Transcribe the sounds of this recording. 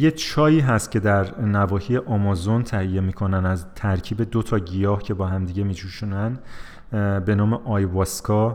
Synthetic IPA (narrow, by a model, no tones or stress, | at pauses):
je̞t͡ʃʰɒːiːɦæst̪̚cʰʲe̞d̪æɾnævɒːhiːje̞ʔɒmɒzo̞nt̪ʰæhije̞miːkʰo̞nænæzt̪ʰæɾcʰiːbe̞d̪o̞t̪ʰɒːɟijɒːhcʰe̞bɒːɦæmd̪iːɟe̞mid͡ʒuːʃuːnæn | be̞nɒːmeʔɒːjvɒskʰɒ